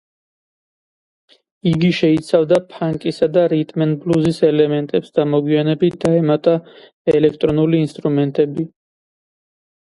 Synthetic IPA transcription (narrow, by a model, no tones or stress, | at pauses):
iɡiʃɛit̪sʰavd̪apʰaŋkʼisad̪aɾit̪ʼmɛnbluzisɛlɛmɛnt̪ʼɛpsd̪̥amɔɡwianɛbit̪̚ʰd̪̥aɛmat̪ʼa | ɛlɛkʰt̪ʼɾɔnuliːnst̪ʼɾumɛnt̪ʼɛbi